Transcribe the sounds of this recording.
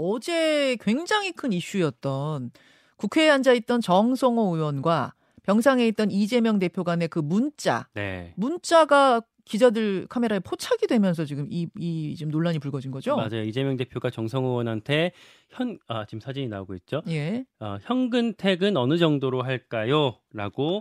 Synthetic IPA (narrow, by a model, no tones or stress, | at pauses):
ʌd͡ʑe̞kwe̞ŋd͡ʑaŋɦikʰɯniɕ͈ujʌt̚t͈ʌn | kukʰe̞ɦand͡ʑait̚t͈ʌnt͡ɕʌŋsʰʌŋʌuwʌnɡwa | pjʌŋs̬ʰaŋe̞it̚t͈ʌnid͡ʑe̞mjʌŋde̞pʰjoɡane̞kɯmunt͡ɕ͈a̰ne̞̰munt͡ɕ͈aɡa | kid͡ʑadɯɭkʰame̞ɾaepʰot͡ɕʰaɡidwe̞mjʌnsʰʌt͡ɕiɡɯmiit͡ɕimnoɭːaɲipuɭɡʌd͡ʑinɡʌd͡ʑomad͡ʑajoid͡ʑe̞mjʌŋde̞pʰjoɡat͡ɕʌŋsʰʌŋɯwʌnɦantʰe̞ | çjʌnat͡ɕimsʰad͡ʑiɲinaoɡoit̚t͡ɕ͈oje̞ʌçjʌnɡɯntʰe̞ɡɯnʌnɯd͡ʑʌŋdoɾoɦaɭk͈ajo | ɾaɡo